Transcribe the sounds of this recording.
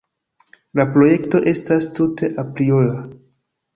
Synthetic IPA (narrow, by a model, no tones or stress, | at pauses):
lapɾo̞je̞kto̞ʔe̞stastute̞ʔapɾiola